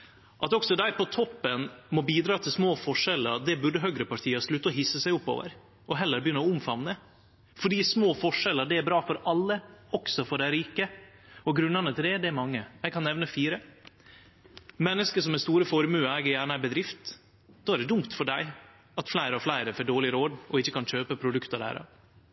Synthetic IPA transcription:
ʔɑt̪ɔksɔd̪æɪpɔt̪ʰɔpːənmɔbiːd̪ɾɑːt̪ʰɪlsmoːfɔʂɛləɾ̚d̪ɛbʉɖəɦœɡɾəpɑʈʰiːhɑslʉt̪ːəɔɦɪsːəsæɪʊpːo̰ːʋə̰ɾ | ɔɦɛlːəɾbəjʏnːəɾɔʊmfɑʋnə | fɔɖiːsmoːfɔʂɛləɖ̪ɛæɾbɾɑːfɔɾɑlːəɔksɔfɔɖæɪɾiːkəɔɡɾʉnənət̪ʰɪld̪ɛɖ̪ɛmɑŋːəjæɪkʰɑnɛʋnəfiːɾə | mɛnːəskəʂɔmɛst̪uːɾəfɔɾmʉːɑæːɡəjæːɳəæbəd̪ɾɪft̪ | d̪oːæɾɖ̪ɛd̪ʊmt̪fɔɖæɪ | ɑt̪flæɪɾəɔflæɪɾəfɔɖoːɭɪɾoːd̪ɔɪçːəkɑnɕøːpəpʰɾʊd̪ʉkt̪əd̪æ̰ɾɑ̰ʋ

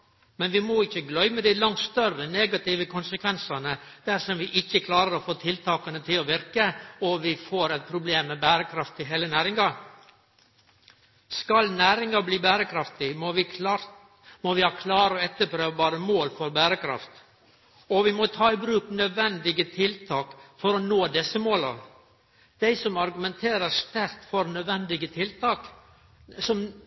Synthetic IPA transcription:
mɛnʋɪmɔɪçːəɡlœʏməd̪ɪlɑŋt̪st̪œrəneːɡɑt̪ɪʋəkʰʊnsəkʰʋɛnsɑnəd̪̥æɾʂɔmʋɪʔɪçːəkʰlɑːɾəɾɔfoːt̪ʰɪlt̪ʰɑːkɑnət̪ʰɪlɔʋɪɾkəɔʋɪfoːɾɛɪt̪̚pʰɾʊbleːmːɛbæːɾəkʰɾɑft̪ɪɦeːlənæːɾɪŋɑɾ | skɑlnæːɾɪŋɑbliːbæːɾəkʰɾɑft̪ɪ | mɔʋɪhɑːkʰlɑːɾəɔɛt̪ːəpʰɾøːʋəbɑːɾəmoːlfɔɾbæːɾəkʰɾɑ̰ft̪ | ɔʋɪmɔt̪ʰɑːɪbɾʉːknœd̪ʋɛnd̪ɪɡət̪ʰɪlt̪ʰɑːkfɔɾɔnoːd̪ɛsəmoːlɑ | d̪̥æɪsɔmɑɾɡʉmɛnt̪ʰeːɾəɾst̪æɾt̪fɔɾnœd̪ʋɛnd̪ɪɡət̪ʰɪlt̪ɑːk | sɔm

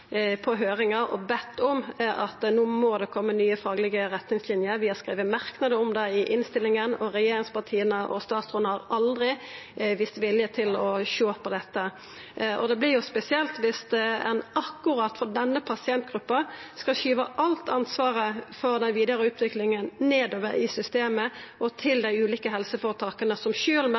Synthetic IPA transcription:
pʰɔɦøːɾɪŋɑɔbɛt̪ːɔmʔɑt̪ːnuːmod̪ɛkʰɔmːənyːəfɑːɡlɪɡəɾɛt̪nɪŋslɪnjəɾʋɪhɑskʁiːʋəmɑʁknɑd̪əʊmd̪ɛɪʔɪnst̪ɪlːɪŋənɔɾɛjeːɾɪŋspɑʁt̪ʰiːənəʔɔ̰st̪ɑːt̪sɔnəhɑʁɑld̪ʁɪʋiːst̪ʋɪljət̪ʰɪlɔʃoːpʰːɔd̪ɛt̪ːə | ʔɔ̰d̪ɛblɪʁjʊspɛsɪɛlt̪ʋɪsd̪ɛɛ̰nɑkːʊɾɑt̪fɔd̪ɛnːəpʰɑsɪɛnt̪ɡɾʉpːɑskɑlʃyːʋəʔɑlt̪ʰɑnsʋɑːʁəfɔɾd̪ɛnʋiːd̪əɾəʉːt̪ʋɪklɪŋənneːd̪oːʋəɾɪsʏst̪eːməʔɔt̪ʰɪld̪æɪʉːliːkəɦɛlsəfɔːɾət̪ʰɑːkənəsɔmʃøːlm

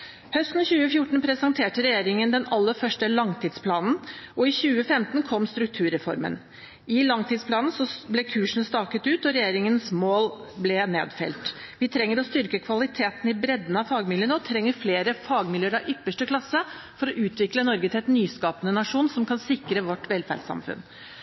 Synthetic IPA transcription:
hœst̪n̩çʉːəfjʊʈːɳ̩pʰɾɛsɑnt̪ʰeːʈəɾɛjeːɾɪŋənd̪ɛnɑlːəɾfœʂʈəlɑŋt̪ʰiːd̪spʰlɑːnn̩ɔɪçʉːəfɛmt̪nkʰɔmːst̪ɾʉk̚t̪ʰʉːɾɛfɔ̰ɾmə̰n | ɪlɑŋt̪ʰiːd̪spʰlɑːnn̩sɔblɛkʰʉːʂn̩st̪ɑːkət̪ʉːt̪ɔɾɛjeːɾɪŋənsmoːlblɛnḛːd̪fɛ̰lt̪ʋɪt̪ʰɾɛŋːəɾɔst̪ʏɾkəkʰʋɑlɪt̪ʰeːt̪n̩ɪbɾɛd̪ːnɑfɑːɡmɪljənəɔt̪ʰɾɛŋːəɾfleːɾəfɑːɡmɪløːəɾɑʋʔʏpːəʂʈəkʰlɑsːə | fɔɾɔʔʉːt̪ʋɪklənɔɾɡət̪ʰɛt̪nyːskɑːpənənɑʂuːnsɔmkʰɑnsɪkɾəʋɔʈʋɛlfæ̰ɖsɑ̰mfʉ̰n

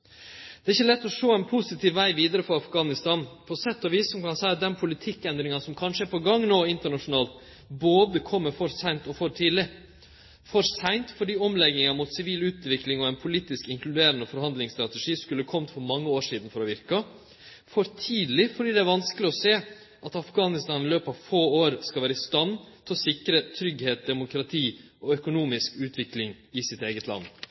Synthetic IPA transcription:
d̪̥ɛæɾɪçːəlɛt̪ːɔʂoːɛnpʰʊsɪt̪ʰiːʋʋæɪʋiːd̪əɾəfɔɾɑfɡɑːnɪst̪ɑːnpʰɔsɛt̪ːɔʋiːsːsɔmkɑnsæɪɑt̪̚d̪ɛnpʰʊlɪt̪ʰɪkːɛnd̪ɾɪŋɑnsɔmkʰɑnʂəæɾpʰɔɡɑŋːnoːɪnt̪əɳɑʂʊnɑːlt̪ | boːd̪əkʰɔmːəɾfɔɾsæɪnt̪ɔfɔɾt̪ʰiːd̪lɪ | fɔɾsæɪnt̪fɔɖiːɔmlɛɡ̪ɪŋɑmʊt̪sɪʋiːlʉːt̪ʋɪklɪŋɔɛnpʰʊliːt̪ɪskɪŋklʉd̪eːɾənəfɔɾhɑnd̪lɪŋst̪ɾɑt̪ɛʂiːskʉlːəkʰɔmət̪fɔɾmɑŋːəoːʂiːd̪n̩fɔɾɔʋɪɾkɑ | fɔɾt̪ʰiːd̪lɪfɔɖiːd̪ɛæɾʋɑnskəlɪɔseː | ʔɑt̪ɑfɡɑːnɪst̪ɑːnɪløːpɑʋfoːoːɾskɑlʋæːɾəɪst̪ɑnːt̪ʰɪlɔsɪkəɾət̪ʰɾʏɡheːt̪̚d̪ɛmʊkʰɾɑt̪ʰiːɔœkʊnuːmɪskʉːt̪ʰʋɪklɪŋɪsɪt̪eːɡət̪ʰlɑ̰nː

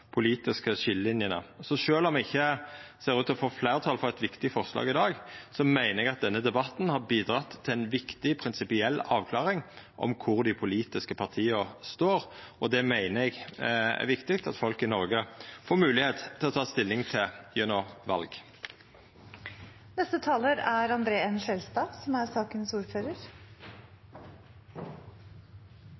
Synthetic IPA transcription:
pʰʊliːt̪ɪskəʃɪllɪnjənə̰sɔʃøːlɔmɛɡɪçːəseːɾʉːt̪ɔfoːfleːɾət̪ʰɑːlfɔʁɛt̪ʋɪkt̪ɪfɔʁslɑ̰ːɡɪd̪ɑːɡsɔmæɪnəɛɡɑt̪̚d̪ɛnːəd̪ɛbɑt̪nhɑɾbiːd̪ɾɑt̪ʰːɪɛɪnʋɪkt̪ɪpʰɾɪnsɪpɪɛlːɑːʋkʰlɑːʁɪŋʔɔ̰mkʰʊɾd̪ɪpʰʊliːt̪ɪskəpʰɑʁt̪ʰiːəst̪oːɾɔd̪ɛmæɪnəɛɡæ̰ʋɪkt̪ɪkt̪ɑt̪fɔlkɪnɔɾɡəfoːɾmʉːlɪheːt̪t̪ʰɪlɔt̪ʰɑːst̪ɪlːɪŋt̪ʰɪjœnɔʋɑlɡ | nɛst̪ət̪ʰɑːləɾæɾɑnd̪ɾeːɛnʃɛlst̪ɑːsɔmæɾsɑːkənsuːɾføːɾəɾ

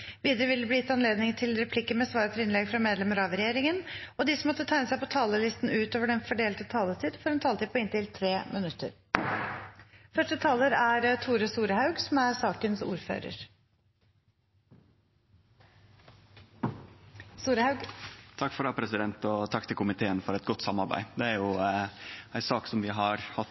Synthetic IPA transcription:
ʋiːd̪əɾəʋɪlːəbliːt̪ɑnleːd̪nɪŋt̪ʰɪlɾɛpʰlɪkːəmɛsʋɑːɾət̪ʰəɾɪnlɛɡfɾɑmeːd̪lɛməɾɑʋɾɛjeːɾɪŋənɔd̪ɪsɔmɔt̪ːət̪ʰæɪnəsæɪpɔt̪ʰɑːləlɪst̪n̩ʉːt̪oːʋəɖɛnfɔɖeːlt̪ət̪ʰɑːlət̪ʰiːd̪fɔɾɑnt̪ʰɑːlt̪ɪpʰɔɪnt̪ɪlt̪ʰɾeːmʔənʉt̪ːə̰ɾ | fœʂʈət̪ʰɑːləɾæɾt̪ʰuːɾəsuːɾəhɑʉɡsɔmæɾsɑːkənsṵːɾfø̰ːɾə̰ɾ | suːɾɑɡt̪ʰɑkːfɔɾɑpʰɾɛsɪd̪ɛnt̪ɔt̪ʰɑkːt̪ʰɪlkʰʊmɪt̪ʰeːənfɔɾɛt̪̚ɡɔt̪ːsɑmɑɾbæ̰ɪd̪ɛæɾjʊ | æɪsɑːksɔmʋɪɦɑɾhɑ

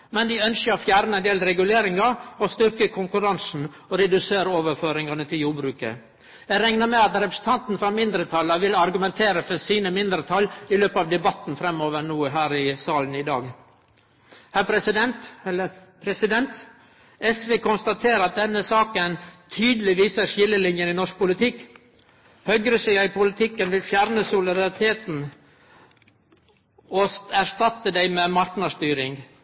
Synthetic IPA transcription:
mɛnd̪ɪœnskəɾɔfjæːɾnəɛnd̪eːlɾɛɡʉleːɾɪŋɑɾɔst̪ʏɾkəkʰʊŋkʉɾɑnsn̩ | ɔɾɛd̪ʉseːɾoːʋəɾføːɾɪŋɑnət̪ʰɪljuːɾbɾʉːkə̰ | jæɾɛŋnəmɛɑt̪ɾɛpɾə̥sət̪ʰɑnt̪n̩fɾɑmɪnd̪ɾət̪ʰɑləʋɪlɑɾɡʉmɛnt̪ʰeːɾəfɔsiːnəmɪnd̪ɾət̪ʰɑlːɪløːpəɑʋd̪ɛbɑt̪n̩fɾɛmoːʋənuːɦæːɾɪsɑːln̩ɪd̪ɑ̰ːɡ | hæɾpʰɾɛsɪd̪ɛnt̪ɛlːəpʰɾɛsɪd̪ɛnt̪ | ɛsʋeːkʊnst̪ɑt̪ʰeːɾɑt̪̚d̪ɛnːəsɑːkənt̪ʰyːd̪əlɪʋiːsəɾʂɪlːəlɪnjənɪnɔʂk̚pʊlɪt̪ʰɪkː | hœɡɾəsɛɑɪpʰʊlɪt̪ʰɪkːənʋɪlfjæːɾnəsʊlɪd̪ɑɾɪt̪ʰeːt̪n̩ | ɔsæɾʂt̪ɑt̪ːəd̪æɪmɛmɑɾknəʂt̪yːɾɪŋ

